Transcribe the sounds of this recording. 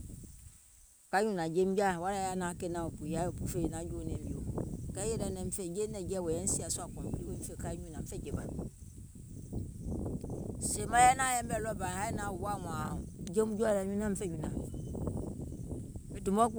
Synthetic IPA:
ka˦ɲũ˦na˨d͡ʒe˦m˦ɡa˦˨wa˦ɾa˨ja˦na˨ke˦nã˨o˨pu˨ja˦o˨pu˨fe˦˨na˨˦d͡ʒo˦nɛ̃˨m˦bi˨o˨kɛ˦jɛ˦ɾɛ˨nɛ˨m̩˦fɛ˦˨d͡ʒe˦nɛ˨d͡ʒɛ˦˨wɛ˨jɛ˦si˦˨a˨sa˨kɔ̃˨m˨bi˨˦i˦we˦m̩˦fe˦˨ka˦ɲũ˦nã˨m̩˦fɛ˦˨d͡ʒe˨ba˨ | se˨mã˦jɛ˦na˦jɛ˦m˦bɛ˨lɔ˦˨ba˨ha˦na˨wa˦˨mɔ˨d͡ʒe˦m˦d͡ʒo˦a˦˨na˨ɲũ˦nã˦m̩˦fɛ˦˨ɲũ˨na˨ | bɛ˨tu˨mɔ˦ku˦

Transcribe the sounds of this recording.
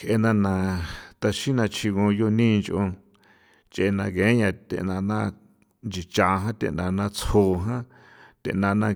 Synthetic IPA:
kʰʔe˧nã˧nã˧t̪a˧ʃĩ˦nã˧t͡ʃʰi˧ɣõ˧jo˧nĩ˦˧nt͡ʃʔõ˧ | t͡ʃʔe˧nã˧ɡẽ˨˦ɲã˧t̪ḛ˧˨ʔnã˧nã˦˧ | nd͡ʒi˨t͡ʃa˧ɦã˦t̪ḛ˧˨ʔnã˧nã˧t͡sho˧˨ɦã˦ | t̪ḛ˧˨ʔnã˧nã˦

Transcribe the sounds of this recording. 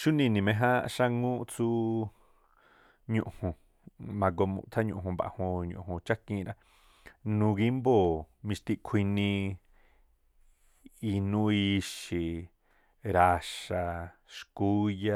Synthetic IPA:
ʃu˦nĩ˧nĩ˧mẽ˧ɦã˦ʃa˦ŋũ˦˧t͡su˦ | ɲṵ̃˧ʔhũ˧ | mã˧ɡo˧mṵ̃˧t̪ʰa˦ɲṵ̃˧˨ɦũ˧ba̰˨hõ˧ɲṵ̃˨ũ˧t͡ʃa˦kĩ˧ɾã˦˧ | nũ˧ɣi˦mbo˦˨mĩ˧ʃt̪i˦ʔkʷʰi˧nĩ˧ | i˧nũ˦i˧ʃi˧˨ | ɾa˧ʃa˧ʃku˦ja˧

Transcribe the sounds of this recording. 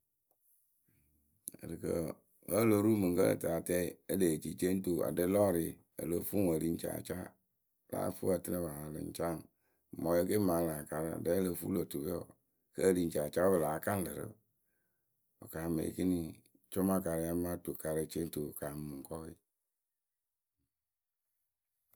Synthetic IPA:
ə̰˨ɾɨ˨kə̰˨ | ə˦˨lo˨˦ɾu˦mɨ˨ŋkə˦ə̰˨ta˨˦tɛ˦˨ə˦le˨d͡ʒi˨t͡ʃe˦n̩˦to˨a̰˨də˦lɔ˦ɾi˨ | ə̰˨lə˨˦fu˦ə˨li˨n̩˦t͡ʃa̰˨t͡ʃa˦˨ | la̰ː˨˦fṵ˦a˨tɨ˦nə˦βa˨a˨lɨ̰˨n˦t͡ʃa˦˨ŋ˨ | mɔ˨˦ə˦ke˦mã˨la˨ka˨ɾɨ˦a̰˨də˦lə˧˦fṵ˦lo˨tu˨βe˦ɔ̰˨ | kə˦ə˦˨li˨n̩˦t͡ʃa˨t͡ʃa˦bə˨laː˨˦ka˦n˦lə˨ɾə̰˦ | o̰˨ka˨mḛ˨ki˦ni˦ | t͡ʃo˦ma˦ka˨ɾə˧˦a˦ma˦to˨ka˨ɾə˧t͡ʃe˦n̩˦to˨ka˨m˨mɨ˨ŋ˨kɔ˦i˦

